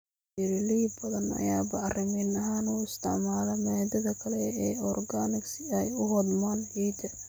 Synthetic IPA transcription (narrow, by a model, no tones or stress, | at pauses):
ɪɾɪliːbbɐðɐnɐ̰jaːbɐɐrɪmɪnɐɦaːnuːɪst̪ʰɪ̰ʕmaːlɐmɛd̪ɐðɐkʰɐlɛɛːɔrɡanɪɡsɪɛjʊwɔd̪maːnʕiːd̪ɐ